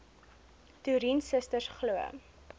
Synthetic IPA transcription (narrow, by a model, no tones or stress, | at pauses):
tuɾinsəstəsχluə̰